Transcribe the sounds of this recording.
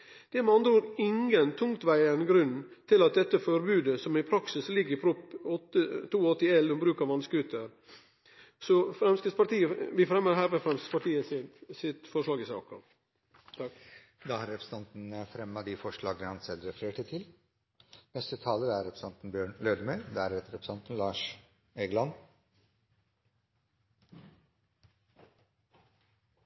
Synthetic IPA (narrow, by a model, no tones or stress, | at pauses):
d̪̥ɛmɑnd̪ɾuːɾɪŋənt̪ʰʊŋt̪ʋæɪənɡɾʉnːt̪ʰɪlɑt̪̚d̪ɛt̪ːəfɔɾbʉːd̪əsɔmɪpʰɾɑksɪslɪɡːɾɪpʰɾʊpɔt̪ːət̪ʰuːɔt̪ːɪɛlːɔmbɾʉːkɑʋɑnskʉt̪ʰːə | sɔfɾɛmskəspɑʈ̪iːəʋɪfɾɛmːəɾɦæːɾʋfɾɛmskə̥spɑʈiːəsɪsɪt̪fɔʂɭɑːɡɪsɑ̰ːkɑ | d̪ɑːhɑɾɛpʰɾəsn̩ʰɑnt̪n̩əfɾɛmːɑd̪ɪfɔʂɭɑːɡnəhɑnsɛlːɾɛfɾeːʈʰɪt̪ʰɪl | nɛst̪ət̪ʰɑːləɾæɾɛpʰɾəsɑnt̪nbjøːɳløːd̪əmœːɾd̪ææɾɛt̪ːəɾɛpɾə̥sɑnt̪n̩lɑːʂ | eɡlɑn